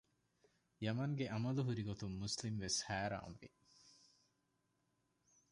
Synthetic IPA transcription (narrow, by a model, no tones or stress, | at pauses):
jɐmɐŋɡeʔɐmɐluɦuɾiɡot̪umːuslimʋeshæːɾa̰ːmʋḭ